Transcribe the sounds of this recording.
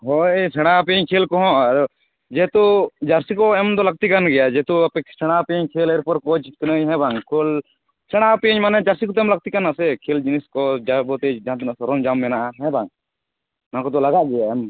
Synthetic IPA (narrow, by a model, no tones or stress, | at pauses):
ɦoesʰeɽ̃apeɲkʰeːlkoɦõɾ | d͡ʒeːt̪od͡ʒəɾsikoemt̪olɐɡ̚t̪ikənɡɪjad͡ʒet̪opesɛɽ̃apẽɲkʰeːleɾpəɾkot͡ʃʰknəɦɛ̃bʱãːŋɡkʰol | sʰɛɽ̃apeɲmaned͡ʒəɾsikot̪omlɐɡ̚t̪ikənːasekʰeːld͡ʒɪniskod͡ʒabot̪ed͡ʒãt̪nsɐɾoːnd͡ʒaːmːenaɦɛ̃bʱãːŋ | nãkot̪̬olɐɡaɡejaem